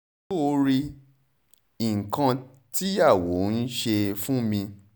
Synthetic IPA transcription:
o˧ɾi˧ | i˨ŋ̩˨kã˧ | ti˦ja˦˨wo˨˦n̩˦ʃe˧fũ˦mĩ˧

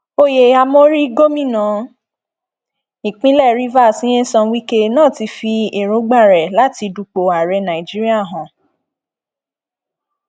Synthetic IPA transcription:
o˧je˨a˧mo˦ɾi˦ɡo˦mĩ˦˨nã˨˦ | ĩ˨k͡pĩ˦lɛ˦˨ɾi˦va˦˨sĩ˨˦ẽ˦sɔ̃˧wi˦ke˦nãː˦˨ti˧fi˧e˨ɾõ˨˦ɡ͡ba˦˨ɾɛ˨la˨˦ti˧du˧k͡po˧a˨ɾɛ˧nã˨i˨d͡ʒi˦ɾi˦a˦˨ɦɔ̃˨

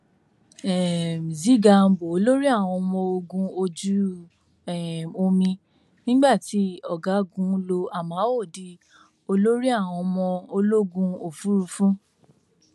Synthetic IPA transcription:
ɛ˨m̩˨zi˨˦ɡa˧m̩˨bo˨o˧˦lo˦ɾi˦a˦˨w̃ɔ̃˧mɔ̃˧o˧ɡũ˧o˧d͡ʒu˦ | ɛ˨o˧mĩ˧ | nĩ˦ɡ͡ba˦˨ti˨˦ɔ˨ɡa˨˦ɡũ˨˦lo˧a˨mã˨˦wo˦˨di˧ | o˧lo˦ɾi˦a˦˨w̃ɔ̃˧mɔ̃˧o˧lo˦ɡũ˧o˨fu˦ɾu˧fũ˦

